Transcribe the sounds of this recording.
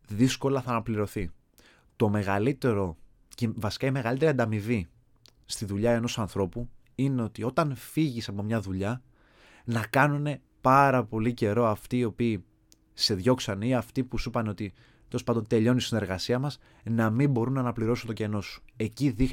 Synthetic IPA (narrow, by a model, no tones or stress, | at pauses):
ðisko̞lɐθɐːnɐpliɾo̞θi | t̪o̞me̞ɣɐlit̪e̞ɾo̞ | cevɐsi̥kɐime̞ɣɐlit̪e̞ɾiɐnd̪ɐmivi | st̪iðuʎɐeno̞sɐnθɾo̞pu | ineo̞t̪io̞t̪ɐnfiʝisɐpo̞mɲɐðuʎɐ | nɐkɐnune̞ | pɐɾɐpo̞lice̞ɾo̞ɐft̪iːo̞piː | se̞ðʝo̞ksɐniɐft̪ipusupɐneo̞t̪i | t̪e̞lspɐnd̪o̞nt̪e̞ʎo̞nisine̞ɾɣɐsiɐmɐs | nɐmimbo̞ɾunːɐːnɐpliɾo̞sunt̪o̞ce̞no̞su̥e̞ciðix